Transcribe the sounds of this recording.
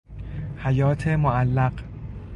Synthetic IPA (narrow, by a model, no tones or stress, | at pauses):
hæjɒːt̪ʰemoʔælːæɢ